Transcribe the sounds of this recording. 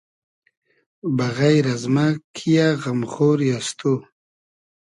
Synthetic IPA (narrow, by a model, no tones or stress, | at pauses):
baɣajɾazmakʰijaɣamχoːɾjast̪o